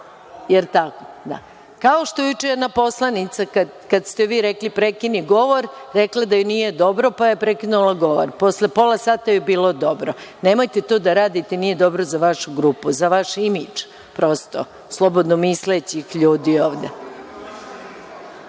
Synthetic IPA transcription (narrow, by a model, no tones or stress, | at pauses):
jeɾt̪akod̪a̰ | kaoʃt̪ojut͡ʃenapo̞slˠanit̪saka | kad̪st̪eʋiːɾeklipɾekiniɡo̞ʋo̞ɾɾeklad̪ajuniːje̞d̪o̞bɾo̞pajepɾekinulaɡo̞ʋo̰ɾpo̞sle̞po̞lˠasaːt̪ajebiːlˠo̞d̪o̞bɾoneːmo̞jt̪et̪od̪aɾaːd̪it̪enije̞d̪o̞bɾozaʋaʃuɡɾupuzaʋaʃimid͡ʒ | pɾost̪o̰ | slˠobo̞d̪nomislet͡ɕixʎuːd̪ioːʋd̪e